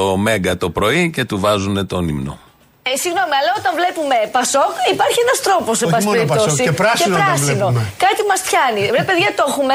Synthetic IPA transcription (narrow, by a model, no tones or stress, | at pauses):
ome̞ŋɡɐt̪o̞pɾo̞ice̞t̪uvɐzune̞t̪onḭmno̞̰ | siɣno̞miɐlɐot̪ɐɱvle̞pume̞pɐso̞kipɐɾçienɐst̪ɾo̞po̞sebɐsiɾipt̪osiɾɐseɾɐsino̞kɐt̪imɐsfçɐniɾeipeðʝɐt̪o̞xume